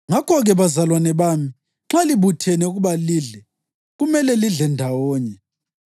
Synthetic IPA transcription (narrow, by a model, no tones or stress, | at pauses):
ŋakʰɔɣɛβazalwanɛβaːmi | ŋ͡ǁaliβutʰɛnɛuɣuβaliːɮɛ | ɣumɛlɛliɮɛndʱawɔːɲɛ